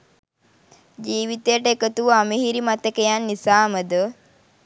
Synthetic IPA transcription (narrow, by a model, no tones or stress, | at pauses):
d͡ʒiːʋit̪ejəʈəekət̪uʋamiɦiɾimat̪ekəjanːisaːməd̪ə